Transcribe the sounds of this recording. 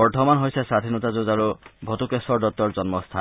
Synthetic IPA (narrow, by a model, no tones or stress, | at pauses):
ɔɹtʰɔmanɦojsɛsad̪ʱinɔtazozaɹubʱɔtukesɔɹdɔt̚ːɔɹzɔnmɔst̪ʰa